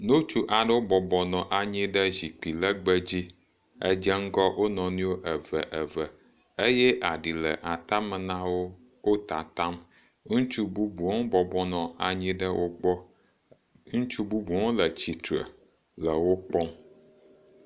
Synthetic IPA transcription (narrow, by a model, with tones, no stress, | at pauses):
nõ˦t͡ʃu˦ʔa˨ɖə˦wo˦bɔ˨bɔ˨nɔ̃˨ʔa˨ɲĩ˦ɖə˦ʑi˨k͡pi˨lə˦ɡ͡bə˦d͡ʑi˦ | ə̰˦d͡ʒə˦ŋ̩˦ɡɔ˦wʔo˦nɔ̃˨nũ˦wo˦ʔə˨və̰˨ʔə˨və˨ | e˦jɛ˦ʔa˨ɖi˨lə̰˨ʔa˨t̪ã˦mə˨nã˦wo˦ | wo˦t̪a˨t̪a˦m | ŋũ˦t͡ʃu˦bu˦bu˨ɔ̃˦ŋbɔ˨bɔ˦nɔ̃˨a˨ɲĩ˦ɖə˦wʔo˦ɡ͡bɔ˦ | ŋũ˦t͡ʃu˦bu˦bu˨ɔ̃˦lə˨t͡ɕi˨t̪ɾə̰˨ | lə˨wo˦k͡pɔ˦m